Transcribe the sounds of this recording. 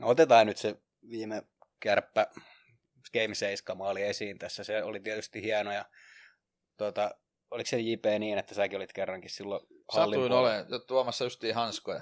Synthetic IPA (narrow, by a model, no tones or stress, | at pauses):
not̪et̪ɑːnyt̪se | ʋiːme | kærpːæ | skeimseiskɑmɑːliesiːnt̪æsːæseolit̪iɛt̪yst̪ihiænojɑ | t̪ot̪ɑ | oliksenjipeːniːnet̪ːæsækiolit̪kerːɑŋkissilːosɑlːiuinolejot̪uɑmɑsːɑjust̪iːhɑnskojɑ̰